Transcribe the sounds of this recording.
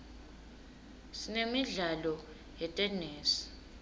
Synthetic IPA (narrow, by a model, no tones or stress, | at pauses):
sinemiɮalɔ | jɛtʼɛneːsi̥